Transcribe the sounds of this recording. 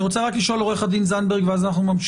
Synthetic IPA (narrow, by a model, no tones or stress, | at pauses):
ʁot͡seʁakliʃo̞loeχadinzanbeʁɡveazanaχnumamʃ